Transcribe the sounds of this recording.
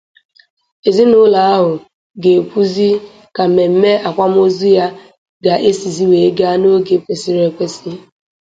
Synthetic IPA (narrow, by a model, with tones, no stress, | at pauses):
e˨zi˦nʊ˦la˨a˦ɦʊ˨ | ɡe˨pu˦zi˦ | ka˨me˨m̩˦me˦a˨kʷa˦m˦o˦zu˦ja˦ | ɡa˨ʔe˦si˨zi˦we˨˦ɡa˦no˦ɡe˨kʷe˨si˦ɾe˨kʷe˦si˦